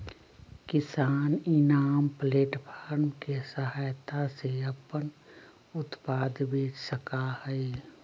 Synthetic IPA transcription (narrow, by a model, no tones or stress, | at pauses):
kɪsaːnɪnaːmpleːʈpʰaːɾmkesəɦaːjt̪aseɐpən | ʊt̪paːd̪beːt͡ʃʰsəkahɛe